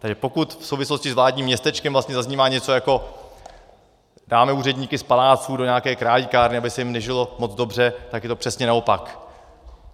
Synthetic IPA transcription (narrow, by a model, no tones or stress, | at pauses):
t̪aɡʒɛpo̞kut̪fsowvɪslo̞scɪzvlaːd̚ɲiːmːɲɛst̪ɛt͡ʃkɛmvlast̪ɲɛzazɲiːmaːɲɛt͡so̞jako̞ | daːmɛuːrɛdɲiːkɪspalaːt͡suːdo̞ɲaakɛːkɾaːlikaːɾnɪabɪsɛjɪmnɛʒɪlo̞mot͡sd͡zdo̞br̝ɛt̪akjɛt̪opr̝̥ɛsɲɛnao̞pak